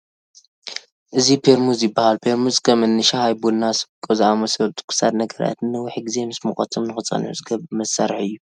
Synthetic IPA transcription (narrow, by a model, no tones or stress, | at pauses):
ʔɨzipʰeɾmuzjɪbːahalpʰeɾmuzkʰɐmɨnːɨʃahajbudnasɨ̥bkʼozɨʔamɐsɐlt̪ʼu̥kʰɨ̥sad̪nɐɡɐɾa̰t̪ɨnːɨwʊħɡɨze̞mɨsmɨxʼɐ̰t̪ʰomnɨxɨt͡sʼːɐ̰nʕṵzɨɡɐβmɐsaɾħɨjːu